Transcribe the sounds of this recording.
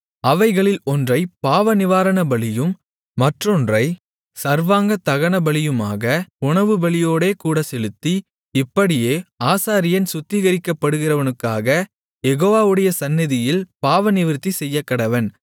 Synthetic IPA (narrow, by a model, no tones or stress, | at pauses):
ɐʋɐɪɣɐɭɪlɔndrɐɪpaːʋɐnɪʋaːɾɐɳɐbɐɭɪjɯmː | ɐʈrɔndrɐɪ | sɐɾʋaːŋɡɐt̪ɐɣɐɳɐbɐɭɪjɯmaːɣɐʊɳɐʋɯbɐɭɪjoːɽeːkuːɽɐsɛlɯt̪ːi | ɪpːɐɽɪjeːaːsaːɾɪjɐnsʊt̪ːɪɣɐɾɪkːɐpːɐɽɯɣɪrɐʋɐnɯkːaːɣɐ | jɛɣoːʋaːʋɯɽɐjɐsɐnːɪðɪjɪlpaːʋɐnɪʋɪɾt̪ːisɛjːɐkːɐɽɐʋɐn